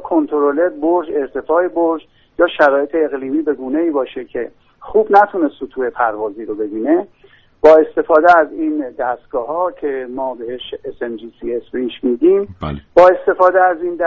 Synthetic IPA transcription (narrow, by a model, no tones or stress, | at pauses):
kʰont̪ʰoɾoled̪̚boɾd͡ʒe̞ɾt̪ʰe̞fɒːeboɾd͡ʒ | jɒːʃæɾɒːje̞t̪ʰeːɣliːmiːbe̞ɡuːne̞iːbɒːʃecʰe̞ | xuːbnæt̪ʰunesot̪ʰuːhe̞pʰæɾvɒːziːɾo̞be̞biːne | b̥ɒːe̞st̪e̞fɒːd̪eæziːnd̪æst̪̚ɡ̥ɒːɦɒːcʰe̞mɒːbeheʃesend͡ʒisiesbeiʃmiːd̪imb̥ɒːe̞st̪e̞fɒːd̪eæziːnd̪